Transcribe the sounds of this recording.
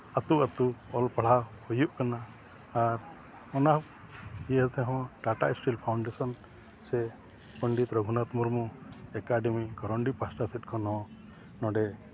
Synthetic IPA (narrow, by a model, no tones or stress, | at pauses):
at̪uʔat̪uɔlpaɽ̤ahujuʔkanaː | ɾ | ɔna | iɛt̪ɛɦɔ̃ʈaʈaisʈilpʰawɳɖɛsɔn | sɛ | pəɳɖit̪ɾɔɡʱunat̪mɔɾmɔɛkaɖɛmikɔɾɔɳɖipasʈasit̪̚ˀkʰɔnɦɔ̃ | nɔ̃ɖɛ